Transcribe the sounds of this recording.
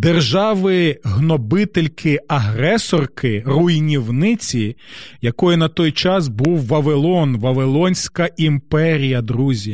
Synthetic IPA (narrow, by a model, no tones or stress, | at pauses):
d̪erʒɑʋɪɦnɔbɪt̪elʲkʰɪɐɦɾɛsɔrkɪrujnʲiwnɪt͡sʲijɐkɔjɪnɐt̪ɔjt͡ʃɑsbuwːɐʋelˠɔnʋɐʋelˠɔnʲsʲkɐimpɛɾʲijɐd̪ɾuzʲi